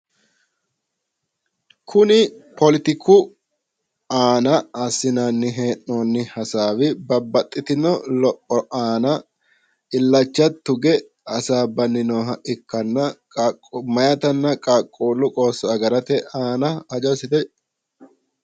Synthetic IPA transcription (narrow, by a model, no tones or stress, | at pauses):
kʰʊnɪpʰɔlɪt̪ɪkʰʊ | aːnɐɐsɪnanːɪɦeːʔːoːnːɪhɐsaːwɪbɐbːɐt̪ʼːɪt̪ɪnɔlɔpʼːɔʔaːnɐ | ɪlːɐt͡ʃːɐt̪ːʊɡɛ | ɐsaːbɐnːɪnoːɦɐʔɪkːɐnːɐ | mɐjɐt̪ɐnːɐkʼaːkʼːoːlːʊkʼoːsːɐɐɡɐɾɐt̪ɛʔaːnɐɐd͡ʒɔsɪt̪ɛ